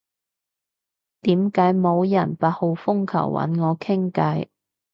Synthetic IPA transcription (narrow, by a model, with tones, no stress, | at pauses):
t̪iː˨˥mkaː˨˥jmo˨˧wjɐ˨˩npaː˨t̚ho˨wfʊ˥ŋkʰɐ̰˨˩wwʔɐ̰˨˥nŋɔː˨˧kʰɪ˥ŋkɐ˨˥j